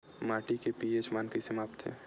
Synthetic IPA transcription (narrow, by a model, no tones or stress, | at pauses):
maːʈikepiet͡ʃmaːnkisemaːp̚t̪ɦɛ̰ː